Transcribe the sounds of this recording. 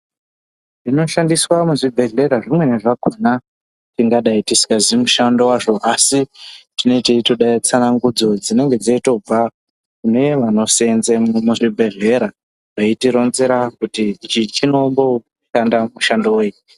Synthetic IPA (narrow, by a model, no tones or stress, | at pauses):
ʐino̞ʃandiswamuʐibʱe̞ɮe̞ɾaʐimwe̞ne̞ʐakana | tiŋɡaɗaitisi̥kazimuʃando̞waʐo̞ʔasitino̞iteitoɗait͡sanaŋɡud͡zo̞d͡zine̞ŋɡe̞d͡zaito̞b͡va | kune̞ʋano̞senzemumuʐibʱe̞ɮe̞ɾa | ʐeitiɾo̞nze̞ɾakutiit͡ʃit͡ʃino̞mbo̞ | ʃandamuʃandowei